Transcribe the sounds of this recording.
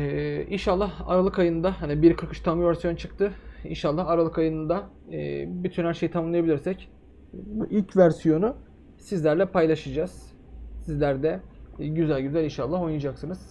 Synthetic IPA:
inʃalˠːaha̰ɾalˠɯkajɯnɯnd̪aɦanibiɾkʰɯɾkɯ̥ʃt̪ʰambuvæɾsijo̞nut͡ʃʰɯk̚t̪ʰɯḭnʃalˠːahaɾalˠɯkajɯnɯnd̪a | byt̪ʰynhæɾʃe̞jit̪ʰamamlˠajabilʲiɾsɛc | buʔilʲcvæɾsijo̞nu | sizlʲæɾlʲɛpajlˠaʃɯd͡ʒaz̥ | sizlʲæɾd̪ɛɟyzælʲɟyzælʲinʃalˠːaɦojnad͡ʒaksɯnɯz̥

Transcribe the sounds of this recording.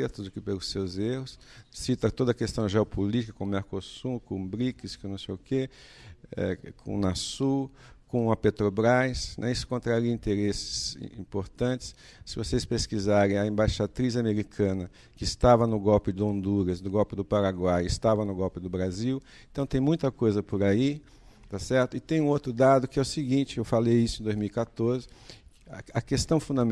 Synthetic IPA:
ɛɾt̪ʊzʊkɪpelʊsːewzehʊssit̪ɐt̪od̪ɐkest̪ɐ̃w̃ʒeopʰolit͡ʃɪ̥kɐkõmeɾkosukõbɾikɪskõnɐ̃w̃sejʊke | ɛ̰kʰõ̰nasukõɐpet̪ɾobɾajsnɛ̰isʊ̥kõnt̪ɾaɾiɐĩnt̪eɾesɪ̥z̥ḭ̃poɾt̪ɐ̃t͡ʃɪ̥s | sɪvosespeskizaɾẽj̃ɐẽmbaʃat̪ɾizameɾikʰɐ̃nɐ | kɪɪst̪avɐnʊɡɔwpɪd̪ɪõnd̪uɾɐsnʊɡɔwpɪd̪ʊpaɾaɡwajɪst̪avɐnʊɡɔwpɪd̪ʊbɾaziw | ẽt̪ɐ̃w̃t̪ẽj̃mũj̃t̪ɐkojzɐpoɾai | t̪asɛɾt̪ʊɪt̪ẽj̃ũot̪ɾʊd̪ad̪ʊkɪɛʊsɪɡĩt͡ʃɪewfalejisʊẽd̪ojzmiwikat̪oɾzɪ | ɐkest̪ɐ̃w̃fũnd̪ɐm

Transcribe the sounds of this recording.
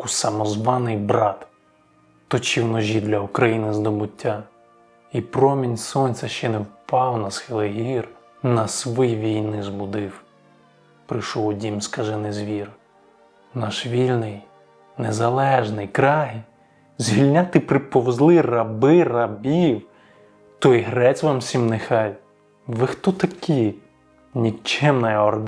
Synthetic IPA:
kusɐmɔzʋɑnɪjbɾɑt̪ | t̪ɔt͡ʃiwnɔʒʲid̪lʲɐukɾɐjinɪzd̪ɔbʊtʲːa | ipɾɔmʲinʲsɔnʲt͡sʲɐʃt͡ʃɛnewpɑwnɐsxɪlˠɪɦir | nɐsʋɪjʋʲijnɪzbʊd̪ɪw | pɾɪʃɔwɔdʲimskɐʒɛnezʋʲir | nɑʃʋʲilʲnɪj | nezɐlˠɛʒnɪjkɾɑɦi | zʲʋʲilʲnʲat̪ɪpɾɪpɔwzlˠɪrɐbɪrɐbʲiw | t̪ɔjɦɾɛt͡sʲʋɑmsʲimnexɑj | ʋɪxt̪ɔt̪ɐkʲi | nʲit͡ʃɛmnɐjɔɾd̪

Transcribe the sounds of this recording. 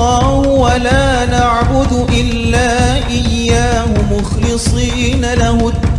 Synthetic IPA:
ɑːhʊwalaːnaʕbʊd̪ʔɪlːaːʔɪjːaːhʊmʊxlɨsˤiːnalahʊ

